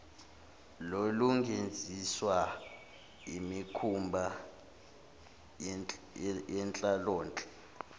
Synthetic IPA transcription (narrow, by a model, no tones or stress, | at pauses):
loluŋʱend͡zʱiswa | imikʰumbʱa | ɛnt͡ɬʼalɔːnt͡ɬʼɛ̥